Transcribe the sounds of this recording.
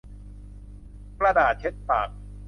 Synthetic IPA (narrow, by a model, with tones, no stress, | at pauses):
kla˧daː˨˩t̪̚ʰe˦˥t̪̚pa̰ː˨˩k̚